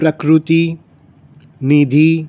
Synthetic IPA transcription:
pɾɐkɾut̪i | nid̪ʱi

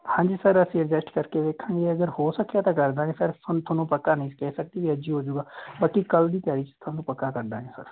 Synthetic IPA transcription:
hãːɲd͡ʒiːsəɾəsĩːəd͡ʒəsʈkəɾkeːʋeːkʰãːŋɡeːəɡəɾhoːsəkːaːt̪ãːkəɾd̪aːẽːpʰɪɾpʰənt̪ʰʊnːũːpəkːaːnəĩːkɛːsək̚d̪iːʋiːəd͡ʒiːɦoːd͡ʒuːɡaːbaːkikəld̪iːt̪jaːɽiːt͡ʃt̪ʰənːũːpəkːaːkəɾd̪aːɦẽːsə̰ɾ

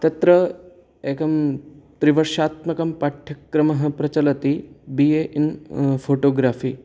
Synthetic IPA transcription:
t̪ɐt̪ɾɐ | eːkɐmt̪ɾiʋɐɾʃaːt̪mɐkɐmpaʈʰjɐkːɾɐmɐɦɐ̆pɾɐt͡ʃɐlɐt̪ibijeʔinfoːʈoːɡɾaːfiː

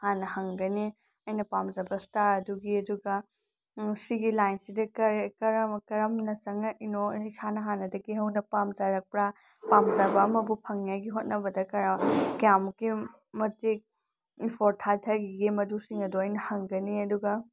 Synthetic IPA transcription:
hanɐhɐŋɡɐni | ɐjnɐpamzɐbɐstaɾɐduɡiɐduɡɐ | siɡilajnsidɐkɐɾekɐɾɐkɐɾɐmnɐsɐŋɐʔinoisanɐɦanɐdɐɡiɦɐwnɐpamzɐɾɐk̚pɾa | pamzɐbɐːmɐbupʰɐŋjaɡiɦot̚nɐbɐdɐkɐɾɐkjamki | mɐtik̚ | ipʰoɾtʰaltʰɐɡiɡimɐdusiŋɐdoɐjnɐhɐŋɡɐniɐduɡɐ

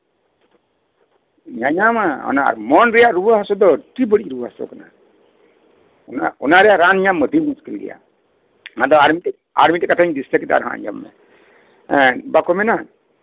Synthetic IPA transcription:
ɲaɲamaɔ̰naa̰ɾmɔnɾɛjaʔɾubaɦasɔd̪ɔʈibəɽiʔɾubaɦasɔ̰kana | naɔnaɾɛjaʔɾanɲaməd̪ʱimuskilɡɛ̰ja̰ | nad̪ɔaɾmitɛ | a̰ɾmitɛkatʰaɲd̪istakɛt̪a̰ɾɦã̰ʔɲd͡ʒa̰mːɛ̰ | ɛ̃bakɔmɛna

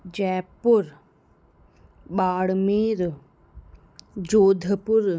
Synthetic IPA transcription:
d͡ʒɛːpʊɾ | baːɽmiːɾ | d͡ʒoːd̪ʱəpʊɾ

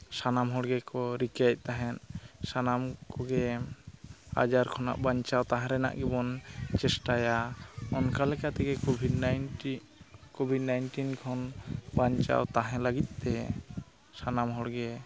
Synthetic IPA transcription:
sanamɦɔɽɡɛkɔɾikac̪̚ˀt̪aɦɛnsanamkɔɡɛ | a̰d͡ʒaɾkʰɔna̰ʔbaɲt͡ʃawt̪aɦɛ̃ɾɛna̰ʔɡɛbɔnt͡ʃɛsʈajaɔnkalɛkat̪ɛɡɛɔbʱi | kobʱidnajnʈinkʰɔnbaɲt͡ʃa̰wt̪aɦɛ̃laɡit̪̚ˀt̪ɛ | sanamɦɔɽɡɛ

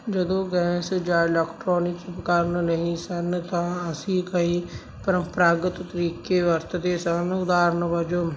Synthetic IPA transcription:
d͡ʒəd̪õːɡɛːsd͡ʒãːɪlɛːkʈɾoːnɪkipəkaːɾnnəɦĩsənt̪ãːəsĩːkəiː | pəɾə̃mpɾaːɡət̪t̪əɾiːkeːʋəɾt̪d̪esənʊd̪aːɾnʋəd͡ʒo

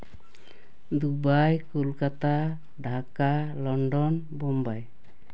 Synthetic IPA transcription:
d̪ubajkulkat̪a | ɖʱakalɔɳɖɔn | bɔmbaj

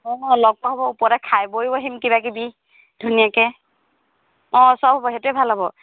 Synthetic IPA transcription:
ɔ̃lɔɡ̚pɔɦɔbɔupɔɹɛkʰajbojbɔɦimkibakibi | dʱunijakɛ | ɔ̃sɔbʱɔbɔɦɛetʊɛbʱalɔbɔ

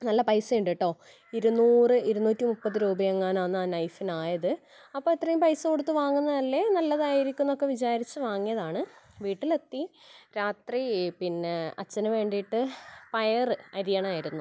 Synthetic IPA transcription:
nɐlːɐpɐjsɨiɳɖiʈːo̞ː | iɾunuːrɨiɾunuːtːimupːɐðɨɾuːbɐjeŋːaːnaːnːaːnɐjfinaːjɐðɨ | ɐpːo̞ːit̪ːrɐjumpɐjsɨkoɽut̪ːɨʋaːŋːunːɐɐlːenɐlːɐðaːjiɾikʲːunːɐo̞kːe̞ʋit͡ɕaːɾit͡ɕːɨʋaːŋːijɐðaːɳɨʋiːʈːilet̪ːiɾaːt̪ripinːeɐt͡ɕːɐnɐʋe̞ːɳɖiʈːɨpɐjɐrɨɐɾijɐɳɐmaːjiɾunːu

